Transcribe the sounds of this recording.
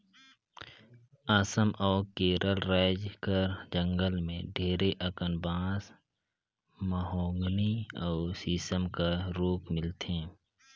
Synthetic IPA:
aːsəmʔɔːɾkeːɾʔəlɾaːd͡ʒkəɾd͡ʒə̃ŋɡəlmḛ̃ɖʱeːɾeʔəkənbãːs | məɦɔːŋɡniɔːsiːsəmkaɾoːkmɪlt̪ẽː

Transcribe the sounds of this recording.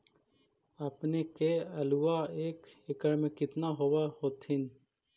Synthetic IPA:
əpnekeɐluaeːkɪkəɾmẽkɪt̪naɦoːwahoːt̪ʰɪn

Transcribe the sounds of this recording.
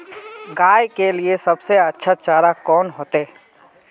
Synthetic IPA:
ɡaːjkeliesɐbseɐtːʃʰat͡ʃaːɾakɔːnɦoːt̪eː

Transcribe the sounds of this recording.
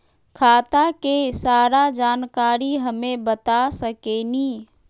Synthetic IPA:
kʰaːt̪akesaːɾad͡ʒaːnkaːɾiɦəmẽbət̪asəkeni

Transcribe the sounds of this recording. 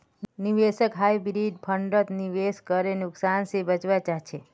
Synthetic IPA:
niʋesəkɦajbɾid̚pʰəɳɖət̪niʋeskəɾenʊksansebət͡ʃʋat͡ʃaɦt͡ʃʰe

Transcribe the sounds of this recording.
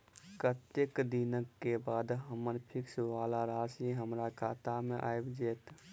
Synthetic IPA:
kət̪jəkd̪inəkːebaːd̪ɦəmənpʰɪksʋaːlaɾaːsiɦəmɾakʰaːt̪amẽʔaːjbd͡ʒeːt̪

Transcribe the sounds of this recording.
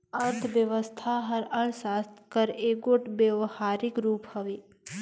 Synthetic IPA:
ɐɾt̪ʰʋjəʋəst̪ʰaɦɐɾɐɽ̃saːst̪kəɾeːɡoʈbeʋhaːɾɪkɾuːphɐʋeː

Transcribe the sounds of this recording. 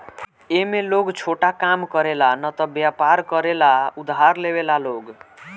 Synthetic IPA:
emeloɡt͡sʰoʈakamkʌɾelanʌt̪ʌbjapaɾkʌɾelaud̪ʱɦaɾlebelaloɡ

